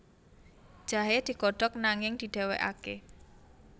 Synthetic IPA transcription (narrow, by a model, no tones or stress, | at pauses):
d̥ʒ̥a̤ɦed̪̥i̤kɔɖ̥ɔk̚naŋɪŋd̪̥i̤ɖ̪̥e̤wḛʔa̰ke